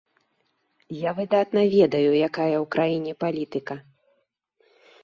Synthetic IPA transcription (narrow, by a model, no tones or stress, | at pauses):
javɨd̪at̪nɐvʲɛd̪ɐjujakajɐwkɾajinʲɛpalʲit̪ɨkɐ